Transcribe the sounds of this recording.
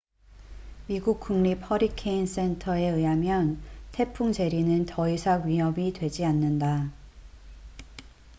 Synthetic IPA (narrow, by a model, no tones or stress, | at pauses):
miɡuk̚k͈uŋɲipʰʌɾikʰeins͈e̞ntʰʌe̞ɯamjʌntʰe̞pʰuŋd͡ʑe̞ɾinɯntʌisʰaɡɥiɦʌbitwe̞d͡ʑianːɯnda